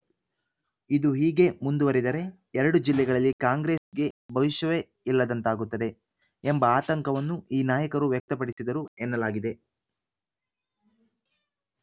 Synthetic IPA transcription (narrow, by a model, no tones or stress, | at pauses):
id̪uɦiːɡe̞mund̪uʋɐɾid̪ɐɾe̞ | ɛɾɐɽud͡ʒilːɛɡɐɭɐlːikaːŋɡɾe̞ːsɡe̞bʱɐʋiʃɐʋe | ilːɐd̪ɐnt̪aːɡut̪ːɐd̪e̞ | embɐaːt̪ɐŋkɐʋɐnːuʔiːnaːjɐkɐɾuʋjɛk̚t̪ɐpɐɽisid̪ɐɾuɛnːɐlaːɡid̪e̞